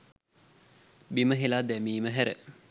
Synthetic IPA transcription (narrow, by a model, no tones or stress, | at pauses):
biməɦelad̪ɛmiːməɦæɾə̰